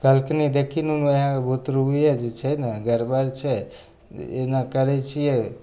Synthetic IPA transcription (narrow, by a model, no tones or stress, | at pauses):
kalkenid̪ekʰinunɦãebʱot̪ɾuɦujɛd͡ʒet͡ʃʰɛjnaɡəɾbaɾt͡ʃʰɛ | ḛnakəɾɛt͡ʃʰijɛ